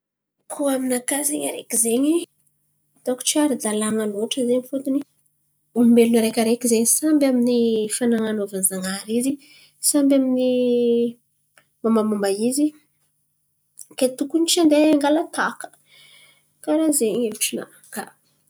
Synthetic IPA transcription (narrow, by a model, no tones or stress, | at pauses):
kʰuaminakazeŋa̰ɾḛkizeɲi | t̪aku̥t͡ʃaɾid̪alaŋaloʈ͡ʂəzeɲifut̪uni | umimelunaɾekʲaɾekizeɲisambʲaminifanaŋanovanzaŋaɾizi | sambamini | mamamumbaizi | ket̪ukunit͡ʃand̪eŋɡalat̪akə̥ | kaɾazeɲeluʈ͡ʂina̰ | ka